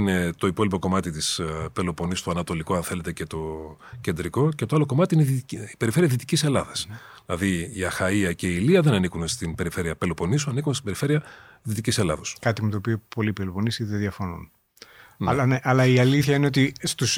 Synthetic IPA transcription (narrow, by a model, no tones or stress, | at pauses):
ine̞t̪o̞ipo̞lipo̞ko̞mɐt̪it̪ispe̞lo̞po̞nist̪oɐnɐt̪o̞liko̞ɐnθe̞le̞t̪ece̞t̪o̞ | ce̞nd̪ɾiko̞cet̪o̞aloko̞mɐt̪iineiipe̞ɾife̞ɾiɐðit̪icise̞lɐðɐsðilɐðiiɐxɐiɐce̞iːliɐðe̞nɐnikunst̪inbe̞ɾife̞ɾiɐpelo̞po̞nisuɐnikunst̪ibeɾife̞ɾiɐ | ðit̪icise̞lɐ̰ðo̞skɐt̪imet̪oːpiopo̞lipelopo̞nisiðeðʝɐfo̞nṵn | lɐneʔɐlɐiɐliθçɐine̞ot̪ist̪us